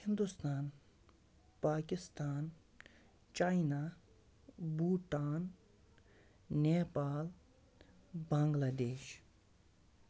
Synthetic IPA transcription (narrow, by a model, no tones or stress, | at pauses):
hind̪ust̪aːn | paːkist̪aːn | t͡ʃaːjna | buːʈaːn | neːpaːl | baːŋɡlaːd̪eːʃ